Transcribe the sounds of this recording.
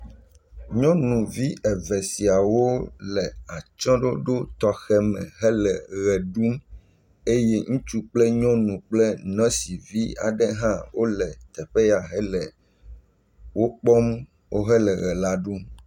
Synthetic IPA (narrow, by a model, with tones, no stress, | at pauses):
ɲɔ̃˦nũ˨vi˦ʔɛ˨vɛ˨si˨a˨wo˦lɛ˨a˨t͡ʃɔ̃˦ɖo˦ɖo˦t̪ɔ˦xɛ˦mɛ̰̃˨ɦɛ˦lɛ˨ɣɛ˨ɖu˦m | e˦jɛ˦ŋũ˦t͡ʃu˦k͡plɛ˦ɲɔ̃˦nũ˨k͡plɛ˦nɔ̃˦si˨vi˦a̰˨ɖɛ˦ɦã˦wo˦lɛ˨t̪ɛ˨ɸɛ˦ja˨ɦɛ˦lɛ˨ | wo˦k͡pɔ˦m | wʔo˦ɦɛ˦lɛ˨ɣɛ˨la˦ɖu˦m